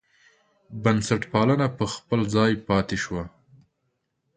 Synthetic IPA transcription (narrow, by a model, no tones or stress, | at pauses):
bansaʈpɑlənapəxpəlzɑjpɑt̪eʃwa